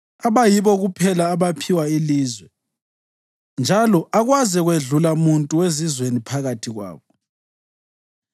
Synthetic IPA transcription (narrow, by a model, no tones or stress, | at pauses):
aβajiβɔɣupʰɛlaːβapʰiwailiːzwɛ | nd͡ʒʱalɔʔaɣwazɛɣweɮulamuntʼuwezizwenipʰaɣatʰiɣwa̰ːβɔ